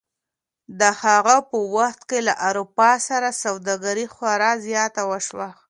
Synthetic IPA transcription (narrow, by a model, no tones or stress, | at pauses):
d̪əhaɣapəwaxt̪kela̰ʔaɾupɑsaɾasawd̪ɑɡaɾixwaɾɑzjɑt̪awəʃwa